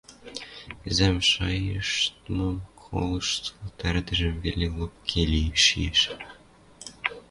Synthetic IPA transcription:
zʲæmʃɑjɤʃt̪nomkʰo̰lˠɤ̆ʃt̪lˠɤt̪æɾd̪ɘ̆ʒɘ̆mvʲelʲilˠop̚kʲʰelʲijʃḭjeʃ

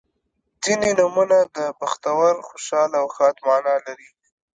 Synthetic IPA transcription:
zinenumunad̪əbaxt̪awaɾxʊʃɑlawxɑt̪mɑnɑlaɾi

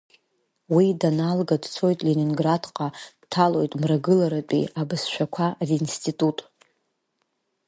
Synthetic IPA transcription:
widanalɡadt͡sʰo̞jtʼleninɡradqʼadtʰalo̞jtʼmraɡɨlaɾapʼḭabɨsʃʷᶣakʷʰarinstʰʼitʼutʼ

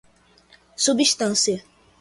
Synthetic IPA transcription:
sobiʃt̪ãnse

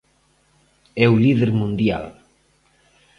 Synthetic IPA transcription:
ɛwliðeɾmũnd̪ja̰l

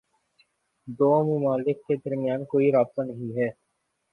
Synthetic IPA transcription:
d̪oːmʊmaːlɪkːed̪ɐɾmɪjaːnkoːiɾaːb̚t̪anɐɦĩɦɛː

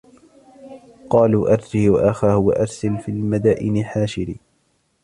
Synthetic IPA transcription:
qɑːluːʔɑɾˤd͡ʒiːwa̰ʔaxaːhʊwa̰ʔɑɾˤsalfiːlmad̪aːʔɪnɪħaːʃɪɾiː

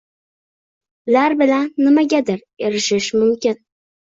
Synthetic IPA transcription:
laɾbɪlanːɪmaɡʲad̪ɪɾ | eɾɪʃɪʃmʊmkʲɪn

